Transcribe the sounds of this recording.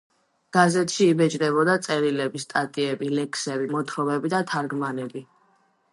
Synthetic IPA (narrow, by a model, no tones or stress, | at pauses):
ɡ̥azɛt̪ʰʃiːbɛt͡ʃʼd̪ɛbɔd̪at̪sʼɛɾilɛbist̪ʼat̪ʼiɛbilɛkʰsɛbimɔt̪ʰɾɔvɛbid̪at̪ʰaɾɡmanɛbi